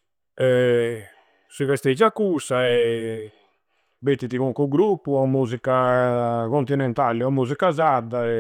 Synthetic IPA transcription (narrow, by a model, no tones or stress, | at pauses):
ɛ | sivɛst̪ed͡ʒakːusaɛ | bet̪ːit̪iɣuŋkuɡɾupːuamuːzika | kɔnt̪inɛnt̪alɛamːuzikazad̪aɛ